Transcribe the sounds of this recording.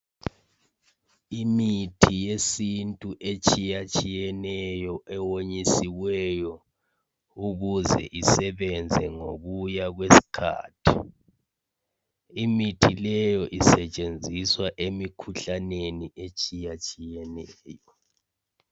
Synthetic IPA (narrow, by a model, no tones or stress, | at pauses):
imitʰijesintʼuʔet͡ʃʼijat͡ʃʼijɛnɛjɔʔɛwoɲisiɣwɛjɔ | uɣuzɛ̰ʔisɛβɛnd͡zʱɛŋo̰ɣujaɣwesi̥kʰa̰ːtʰi | imitʰilɛjɔʔisɛt͡ʃʼend͡zʱiswaʔemikʰuɬaneniʔet͡ʃʼijat͡ʃʼijɛnɛːjɔ